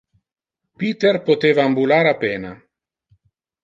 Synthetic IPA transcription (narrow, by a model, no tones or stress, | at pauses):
pit̪erpot̪eːvaːmbulaɾapeːna